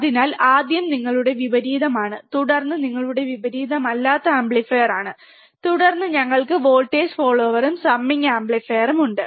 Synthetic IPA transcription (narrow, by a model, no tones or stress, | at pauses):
ɐðinaːlaːd̪jɐmniŋːɐɭuɽe̞ʋibɐɾiːðɐmaːɳɨt̪uɽɐrnːɨniŋːɐɭuɽe̞ʋibɐɾiːðɐmɐlːaːt̪ːɐaːmbɭefeːjɐraːɳɨ | t̪uɽɐrnːɨɲɐŋːɐɭkɨʋo̞ːlʈːeːd͡ʑfoːɭːoːʋɐɾumsɐmːiŋaːmbɭefejɐrumuɳɖɨ